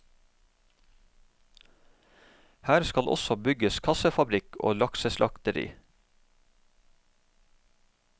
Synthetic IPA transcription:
hæːɾskɑlʔɔ̰sɔbʏɡəskʰɑsəfɑbɾɪkʰo̰ːlɑksəslɑkt̪əɾḭː

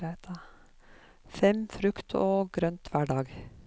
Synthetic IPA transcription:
æt̪ʰɑ | fɛmfɾʉkt̪ʰoːɡɾœnt̪ʰʋæɖɑːɡ

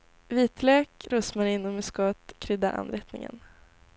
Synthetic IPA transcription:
viːt̪lɛːkɾɵsmaɾɪnːɔmɛskɔat̪kʰɾʏd̪ːaʔa̰nɾɛt̪nɪ̰ŋə̰n

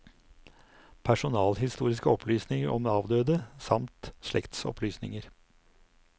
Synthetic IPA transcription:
pʰæʂʊnɑːlhɪst̪uːɾɪskəɔpʰlyːsnɪŋəɾɔmɑːʋd̪øːd̪əsɑmt̪ʂlɛkt̪sɔ̰pʰlyːsnɪ̰ŋəɾ

